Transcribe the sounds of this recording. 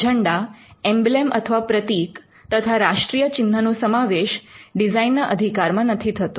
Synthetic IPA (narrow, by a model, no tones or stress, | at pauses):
d͡ʒʱəɳɖaembilemʔə̰t̪ʰəʋapɾət̪ik | t̪ət̪ʰaɾaʂʈɾijət͡ɕind̪ʱənũsəmaʋeʃɖizainːəʔəd̪ʱikaɾmãnət̪ʰit̪ʰət̪ũ